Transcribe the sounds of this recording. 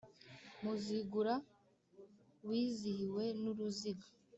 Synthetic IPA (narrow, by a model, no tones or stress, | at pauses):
muziɡuɾa | wiːzihiwe̞nuɾuziɡa